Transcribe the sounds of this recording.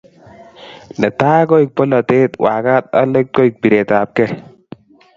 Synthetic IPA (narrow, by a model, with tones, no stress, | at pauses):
nɛ˨t̪a˦kɔ˦i˨k̚pɔ˦lɔ˨t̪e˦t̪wa˨ka˦t̪a̰˦le˦k̚kɔ˦i˨k̚bi˨ɾe˨ta˨p̚kɛ˦